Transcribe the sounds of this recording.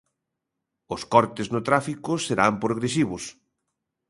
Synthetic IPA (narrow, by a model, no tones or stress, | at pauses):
ʊskɔɾt̪ɪznʊt̪ɾafikʊseɾampɾoɣɾesiβʊs